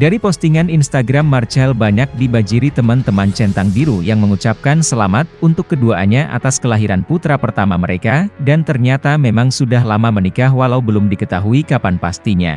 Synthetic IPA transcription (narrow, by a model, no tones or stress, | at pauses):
daɾipɔst̪iŋaninst̪aɡɾamːart͡ʃɛlbaɲak̚dibad͡ʒiɾit̪əmant̪əmant͡ʃɛnt̪aŋdiɾujaŋməŋut͡ʃap̚kansəlamat̪̚unt̪ʊkːəduaaɲaʔa̰t̪askəlaɦiɾanput̪ɾapərt̪amaməɾekadant̪ərɲat̪amemaŋsudaɦlamamənikaɦwalaubəlʊmdikət̪aɦuikapanpast̪iɲa̰